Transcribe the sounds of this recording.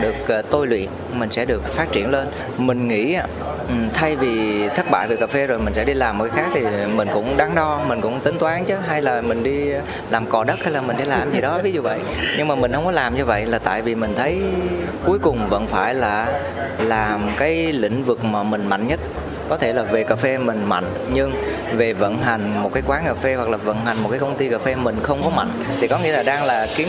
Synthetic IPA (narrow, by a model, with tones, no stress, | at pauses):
ɗɨ˨˩ək̚ːt̪o˧jlwḭ˧˨ən | mï˨˩ŋ̟sɛ̰˧˥ɗɨ˨˩ək̚faː˦˥t̚t͡ɕḭ˧˩ənle˧n | mï˨˩ŋ̟ŋḭ˧˥a˧˨˩ | t̪ʰa˧jvi˨˩t̪ʰə˦˥t̚ɓa̰ː˧˨jve˨˩kaː˨˩fe˧zo˨˩jmï˨˩ŋ̟sɛ̰˧˥ɗi˧laː˨˩m˨˩kːaː˦xaː˦˥k̚t̪ʰi˨˩mï˨˩ŋ̟kʊ̰˧˥wŋ͡mɗa˧ŋɗɔ˧mï˨˩ŋ̟kʊ̰˧˥ŋ͡mt̪ï˨˦ŋt̪waː˨˦nt͡ɕɨ˨˦ɦa˧jlaː˨˩mï˨˩ŋ̟ɗi˧ | laː˨˩mkɔ˨˩ɗə˦˥t̚ha˧jlaː˨˩mï˨˩ŋ̟sɛ̰˧˥˦laː˨˩mzi˨˩ɗɔ˨˦vi˨˦zu˨˩və̰˧˨j | ɲɨ˧ŋmaː˨˩mï˨˩ŋ̟hə˧wŋ͡mkɔ˨˦laː˨˩mɲɨ˧və̰˧˨jlaː˨˩t̪a̰ː˧˨jvi˨˩mï˨˩ŋ̟t̪ʰə˨˦j | ku˨˦əjkʊ˨˩ŋ͡mvə̰˧˥nfaː˧˩jlaː˨˩ | laː˨˩mkaː˨˦jlḭ̈˧˨ŋ̟vɨ˨˩k̚maː˨˩mï˨˩ŋ̟ma̰˧˨jŋɲə˦˥t̚ | kɔ˨˦t̪ʰe˧˩laː˨˩ve˨˩kaː˨˩fe˧mï˨˩ŋ̟ma̰˧˨jŋ̟ | ɲɨ˧ŋ | ve˨˩və̰˧˥nɦa˨˩jŋ̟mo˨˩kaː˨˦jkwaː˨˦nkaː˨˩fe˧wa˨˩k̚laː˨˩və̰˧˥nɦa˨˩jŋ̟mo˨˩t̚kaː˨˦kə˧wŋ͡mt̪i˧kaː˨˩fe˧mï˨˩ŋ̟xə˧wŋ͡mkɔ˨˦ma̰˧˨jŋ̟t̪ʰi˨˩kɔ˨˦ŋi˧˥əlaː˨˩ɗaː˧ŋlaː˨˩ki˨˦